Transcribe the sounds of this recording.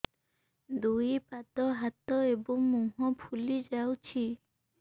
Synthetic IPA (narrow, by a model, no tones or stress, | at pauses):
d̪uipat̪ɔɦat̪ɔebɔŋmuɦɔ̃pʰulid͡ʒawt͡ʃʰi